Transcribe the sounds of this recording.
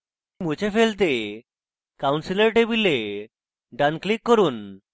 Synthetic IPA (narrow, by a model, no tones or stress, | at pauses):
mud͡ʑefelt̪e | kawnsiləɾʈebile | ɖanklikːɔɾuːn